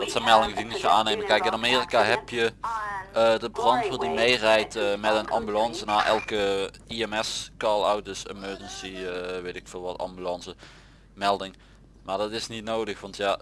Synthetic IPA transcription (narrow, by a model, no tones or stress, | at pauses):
dɑtsɛmɛlˠdɪŋədimutəa̰ːnːejməkɛjkɪnameːrikaɦɛpjə | ədəbrɑntfʊːdimejrɛjtəmɛtənɑ̰mbylɑnsənaːɹʔɛ̰lˠkə | iɛmɛskɑlˠawt̚dəsə̰møːd͡ʒənsiəʋejtɪkfɪːlˠʋɑtɑ̰mbylɑnsə | mɛlˠdɪŋ | maːɹdɑtɪsnitnowdəxʋɑntjaː